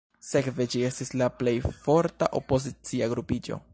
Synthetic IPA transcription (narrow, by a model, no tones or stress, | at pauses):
se̞kve̞d͡ʒie̞stislaple̞jfo̞ɾta̰ʔo̞po̞zit͡siaɡɾupid͡ʒo̞̰